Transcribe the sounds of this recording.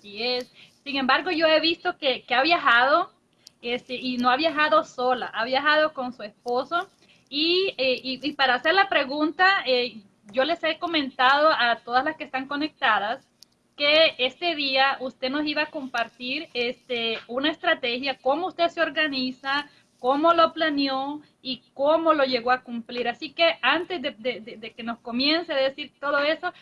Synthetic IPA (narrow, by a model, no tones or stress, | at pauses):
asiesː | iŋẽ̞mbaɾɣo̞ʝo̞e̞βist̪o̞kekeaβjaxaðo̞ | est̪eʔino̞aβjaxaðo̞so̞la̰ʔaβjaxaðo̞ko̞nsue̞spo̞so | ieiipaɾaːse̞ɾlapɾe̞ɣunt̪ae | ʝo̞le̞se̞ko̞mẽ̞nt̪að̞o̞at̪o̞ðaslaskest̪aŋko̞ne̞k̚t̪aðas | ke̞est̪e̞ðiaʔust̪e̞no̞siβaːko̞mpaɾt̪iɾest̪eunaest̪ɾat̪e̞xjako̞mo̞ust̪e̞ðseo̞ɾɣanisa | ko̞mo̞lo̞planjo̞ | ikomo̞lo̞ʝe̞ɣo̞akumpliɾasike̞ant̪e̞zðed̪ed̪ed̪e̞ke̞no̞sko̞mje̞nseðeðesiɾt̪o̞ðo̞e̞so̞